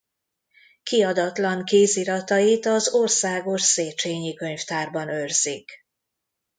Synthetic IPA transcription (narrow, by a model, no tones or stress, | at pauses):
kiɒd̪ɒt̪lɒŋkeːziɾɒt̪ɒjit̪ɒzorsaːɡo̞ʃseːt͡ʃeːɲikø̞ɲft̪aːrbɒnørzik